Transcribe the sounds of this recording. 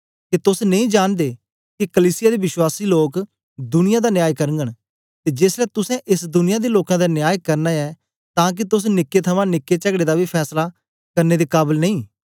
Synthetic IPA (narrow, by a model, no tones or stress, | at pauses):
kit̪ʊsnẽĩːd͡ʒaːnd̪eː | kikəliːsɪjaːd̪eːbɪʃwaːsiːloːk | d̪ʊnɪjãːd̪aːnjaːjkəɾŋɡəɳ̃ | t̪eːd͡ʒeːslɛːt̪ʊsɛ̃ʔɪsd̪ʊnɪjaːd̪eːloːkãd̪anjaːjkəɾnaɛː | t̪ãːk̬ɪt̪ʊs̬nɪkːet̪ʰəmãːnɪkːet͡ʃəɡɽeːd̪aːbiːpʰɛːslaː | kəɾneːd̪eːkaːbəlnə̃ĩː